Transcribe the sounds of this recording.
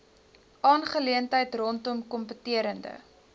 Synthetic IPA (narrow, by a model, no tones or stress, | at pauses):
ʔɑːnχəliəntəjtrɔntɔmkɔmpətiəɾəndə̰